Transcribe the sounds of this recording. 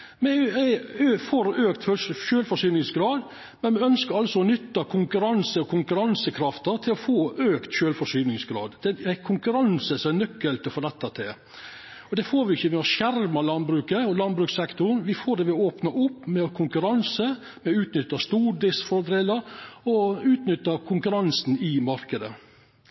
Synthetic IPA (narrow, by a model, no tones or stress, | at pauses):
mɛ | øːfɔɾøːkt̪fɔʃøːlfɔʂyːnɪŋsɡɾɑːd̪ | mɛnmɛœnskəɾɑlsɔɔnʏt̪ːɑkʰʊŋkʉɾɑnsəɔkʰʊŋkʉɾɑnsəkʰɾɑft̪əɾt̪ʰɪlɔfoːʔøːkt̪ʃøːlfɔʂyːnɪŋsɡɾɑ̰ːd̪d̪ɛækʰʊŋkʉɾɑnsəsɔmænœkːəlt̪ʰɪɔfɔɾɛt̪ːət̪ʰɪl | ɔd̪ɛfoːɾʋɪɪçːəʋɛɔʃæɾmɑlɑnbɾʉːkəɔlɑnbɾʉːksɛkt̪ʊnʋɪfoːd̪ɛʋɪoːpnɑʔʊpːmɛɔkʰʊŋkʉɾɑnsə | mɛʉːt̪nʏt̪ːəst̪uːɾd̪ɪsfɔɾd̪eːləɾɔʉːt̪nʏt̪ːəkʰʊŋkʉɾɑnsn̩ɪmɑɾkəd̪ə